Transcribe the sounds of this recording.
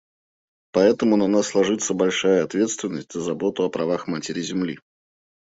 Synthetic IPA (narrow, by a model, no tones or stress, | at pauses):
pɐɛt̪əmʊnɐnasːlˠɐʐɨt̪səbɐlʲʂajəɐt̪vʲe̞t̪st̪vʲɪnːəsʲtʲz̥əzɐbot̪ʊɐpɾɐvaxmatʲɪɾʲɪzʲɪmlʲi